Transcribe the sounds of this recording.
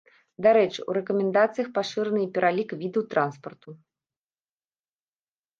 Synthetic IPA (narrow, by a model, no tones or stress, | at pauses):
d̪aɾɛt͡ʂɨṵɾɛkɐmʲɛnd̪at̪sɨjɐxpaʂɨɾɨnɨipʲɛɾʔalʲikvʲid̪ɨwt̪ɾʔanspɐrt̪u